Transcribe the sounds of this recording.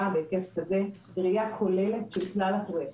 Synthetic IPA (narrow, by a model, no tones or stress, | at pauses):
abekeskaze | dʁijakʰolelet̪ʃelklalate